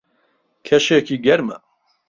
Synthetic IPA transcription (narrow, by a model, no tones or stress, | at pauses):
kʰɐʃekiːɡɐɾmɐ̰